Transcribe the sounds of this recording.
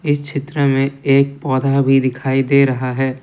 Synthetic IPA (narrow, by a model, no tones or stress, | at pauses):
ɪst͡ʃʰɪt̪ɾəmẽeːk̚pɔːd̪ʱabʱid̪ɪkʰaːid̪eːɾɐɦaɦɛː